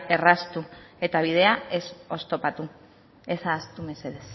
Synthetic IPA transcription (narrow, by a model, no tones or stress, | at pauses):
e̞rast̪ue̞t̪aβ̞ið̞e̞ae̞so̞st̪o̞pat̪u | esaːst̪ume̞se̞ð̞es